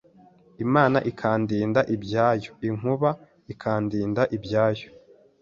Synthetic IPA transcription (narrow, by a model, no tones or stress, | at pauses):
imaːnaʔikʰaːndiːndaʔibɟaːjoiŋ̥huβa | ikʰaːndiːndaʔibɟaːjo